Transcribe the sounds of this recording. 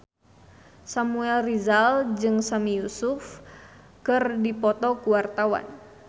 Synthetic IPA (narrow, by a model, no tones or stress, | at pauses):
samuɛlrizald͡ʒɨŋsamijusuf | kɨrdipɔt̪ɔkuwart̪awa̰n